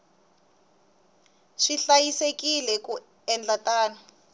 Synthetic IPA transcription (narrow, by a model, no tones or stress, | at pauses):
ʂiɬajisekilɛku | ɛnd͡ɮatʼaːna